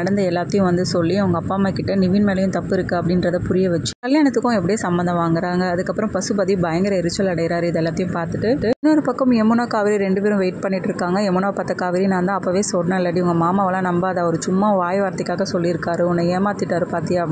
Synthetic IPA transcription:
nɐɽɐnd̪ɐɛlːaːt̪ːɐjʊ̃ʋɐnd̪ɯsɔlːiɐʋɐŋɡɐːpːaːmaːkɪʈːɐnɪʋɪnmeːlɐjʊ̃t̪ɐpːɯɪɾɯkːɯɐpːɐɽɪnɾɐðɐpʊɾɪjɐʋɛt͡ʃːɯ̥kɐljaːnɐt̪ːɯkːʊ̃ɛp̬ːɐɽɪjeːsɐmbɐnd̪ɐ̃ʋaːŋɡɪɾaːŋɡɐːðɯkːɐpːɯɾɐ̃mpɐsɯpɐðibɐjɐŋɡɐɾɐɪɾɯt͡ʃːɐlɐɽɐjɪɾaːɾɯɪðɐɛlːaːt̪ːɐjʊ̃mpaːɾt̪ɯʈːɯːɯɪnːɔɾɯpɐkːɐmɛmːʊnaːkaːʋɪɾiɾɛɳɖɯpɛːɾʊ̃ʋeɪʈ̚pɐɳːɪʈːɪɾɯkːaːŋɡɐɛmːʊnaːpɐt̪ːɐkaːʋɪɾinaːnd̪ãːɐpːɐʋeːsɔɽnɐlːɐɽiʋɐŋɡɐmaːmaːʋɐlãːnɐmbaːɐðɐɔɾɯt͡ʃʊmːaʋaːjɐʋaːɾɐt̪ːɪkʲːaːɣɐsɔlːiɪɾɯkːaːɾɯɔnːɐeːmaːt̪ːɪʈːaːɾɯpaːɾt̪ɪjaː

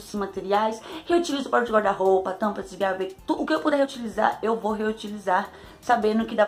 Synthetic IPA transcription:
sĩmat̪eɾiajsheut͡ʃilizʊpɾaɾũd͡ʒɪɡaɾd̪aɦowpɐt̪ɐ̃pɾɐsiɡavet̪uʊkɪewpud̪eɦeut͡ʃiliza̰ɾewvoɦeut͡ʃilizaɾ | sabẽd̪ʊʊkɪd̪a

